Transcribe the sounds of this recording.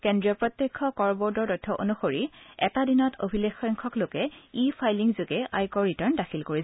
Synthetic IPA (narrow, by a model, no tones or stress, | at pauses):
kendɹiɔpɹɔt̪jekʰːɔkɔɹbɔɹdɔɹdɔjtʰːɔʔo̰nuxoɹiɛtadinɔtʰo̰bʱilexɔjŋkʰɔklokɛipʰajliŋzuɡɛajkɔɹɹitaɹndaxʰilkoɹi